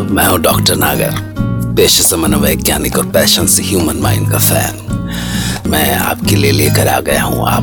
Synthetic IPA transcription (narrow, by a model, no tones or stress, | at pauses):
mɛ̃ːɦũɖɔːkʈəɾnaːɡə̰ɾ | peːʃəsɐmɐnəʋeekjaːnɪkɔːɾpɛːʃənsɦjuːmənmãːɪ̃ɳɖ̚kafɛ̰ːn | mɛ̃ːa̰ːpkelielieːkəɾa̰ːɡɐjaɦṵ̃a̰ː